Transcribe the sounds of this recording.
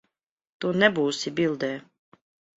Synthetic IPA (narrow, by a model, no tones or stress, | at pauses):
t̪uːnɛbuːsibʲilˠd̪ɛː